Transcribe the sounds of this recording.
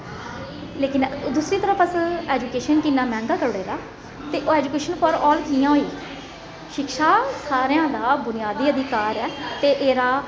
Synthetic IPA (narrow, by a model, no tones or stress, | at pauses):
leːkɪnd̪uːsɾiːt̪əɾəpəseːd͡ʒuːkeːʃənkiːnaːmɛ̃ːŋɡaːkəɾɽeːɾaː | t̪eːʔoɛːd͡ʒuːkeːʃənpʰəɾɔːlkiːjãːɦoiː | ʃɪkʃaːsaːɾejãːd̪aːbʊnɪjaːd̪iːəd̪ɪkaːɾɛːt̪eːʔeːɾaː